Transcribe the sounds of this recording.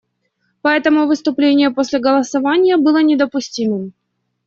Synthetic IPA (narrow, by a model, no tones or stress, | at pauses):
pɐɛt̪əmʊvɨst̪ʊplʲenʲɪjəposʲlʲɪɡəlˠəsɐvanʲɪjəbɨlˠənʲɪd̪əpʊsʲtʲimɨm